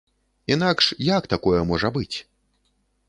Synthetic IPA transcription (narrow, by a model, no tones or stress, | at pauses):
inakʂjakt̪akɔjɛmɔʐɐbɨt͡sʲ